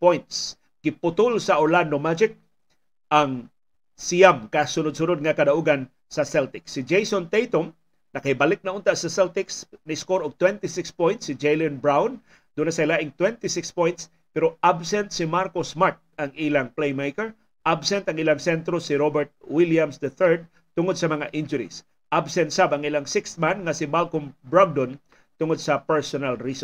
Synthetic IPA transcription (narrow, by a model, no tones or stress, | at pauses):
pojnt̪s | ɡ̥ɪpʊt̪ʊlsɐʔoɹland̪omad͡ʒɪk̚ | ʔaŋ | sijamkasʊnʊd̪̚sʊnʊd̪̚ŋɐkɐd̪aʔuɡan | sɐsɛlt̪ɪksːɪd͡ʒejsont̪ejt̪om | nɐkɐhɪbalɪk̚nɐʔʊnt̪asɐsɛlt̪ɪksnaɪskoɾoɡ̚t̪wɛnt̪ɪsɪkspojnt̪sɪd͡ʒejlɪnbɹawn | d̪̥unasɐjlaʔɪŋt̪wɛnt̪ɪsɪkspojnt̪s | pɛɾoʔabsɛnt̪̚sɪmaɾkosmaɹt̪̚ɐŋilaŋplejmejkɛɹ | ʔabsɛnt̪ɐŋɪlaŋsɛnt̪ɾosɪɾobɛɹt̪̚wiljamsd̪ɐθɛɹd̪̚ | t̪ʊŋod̪̚sɐmɐŋaʔɪnd͡ʒʊɾḭs | ʔabsɛnt̪sabɐŋɪlaŋsɪkst̪̚manŋɐsɪmalkombɹaɡ̚d̪on | t̪ʊŋod̪̚sɐpɛɹsonalɹisɔ